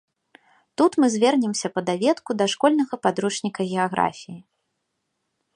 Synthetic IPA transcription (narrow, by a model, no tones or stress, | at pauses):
t̪ut̪mɨzʲvʲɛrnʲɛmsʲɐpɐd̪avʲɛt̪kud̪ɐʂkɔlʲnɐɣɐpad̪ɾut͡ʂnʲikɐɣʲɛaɣɾa̰fʲiji